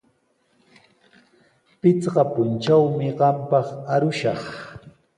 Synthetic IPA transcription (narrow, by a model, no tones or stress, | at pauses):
pɪt͡sɢɑpʊnt͡ʃawmɪɢɑmpɑχaɾʊʃɑχ